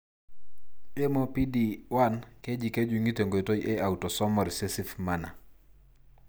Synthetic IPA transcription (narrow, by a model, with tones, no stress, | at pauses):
e˦mo˦pi˦di˨wa˦nke˦d͡ʒi˨ke˦d͡ʒu˨ŋɡi˦te˨ŋɡo˨i˨to˦jʔe˦a˨utɔ˨sɔ˦mɔ˨ɾse˦si˦fmana̰˨